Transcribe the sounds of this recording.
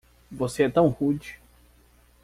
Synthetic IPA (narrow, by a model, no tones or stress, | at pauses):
voseɛt̪ɐ̃w̃hud͡ʒi